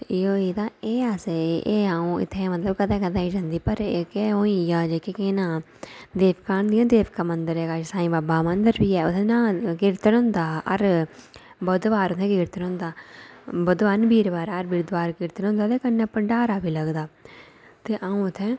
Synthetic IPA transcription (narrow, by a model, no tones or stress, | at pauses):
ɪoːiːd̪aːeːaseʔeːaːũːɪ̰t̪ʰːẽmət̪ləb̚kəd̪ẽːkəd̪ãːĩd͡ʒãːnd̪iːpəɾekeːɦõːĩjaːd͡ʒekekenãː | d̪eːʋkaːnd̪iãːd̪eːʋkaːmənd̪əɾɛːɡaːd͡ʒsãːĩːbaːbaːmə̃nd̪əɾbiːɛːʊt̪ʰẽnãːkɪɾt̪nɦʊ̃nd̪aːə̰ɾ | bəd̪ʋaːɾʊt̪ʰẽːkɪɾt̪ənɦʊ̃nd̪aːbəd̪ʋaːnbiːɾʋaːɾəɾbiːɾd̪ʋaːɾkɪɾt̪ənɦʊ̃nd̪aːt̪eːkənːepəɳɖaːɾaːbiːləɡd̪aː | t̪eːʔãːũɪt̪ʰːẽː